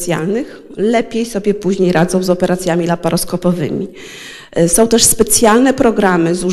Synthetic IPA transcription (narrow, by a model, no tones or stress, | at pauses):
sʲja̰lnɘx | lɛpʲjejsɔbʲjɛpuʑɲejɾad̪zɔ̃w̃zɔpɛɾat̪sʲjamʲilapaɾɔskɔpɔvɘ̰mʲi | sɔ̃w̃t̪ɛʂspɛt̪sʲjalnɛpɾɔɡɾamɘzu